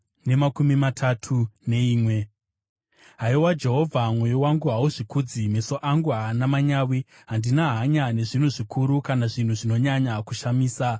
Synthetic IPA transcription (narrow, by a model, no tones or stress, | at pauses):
ne̞makumimatʰatʰune̞iːmwe̞ | ɦaiwad͡ʒe̞ɦo̞vʱamwejowaŋɡuɦauʐikud͡zimeso̞ʔaŋɡuɦaːnamaɲaːwi | ɦandinaɦaɲane̞ʐin̤uʐikʰuɾukanaʐin̤uʐino̞ɲaɲakuʃamiːsa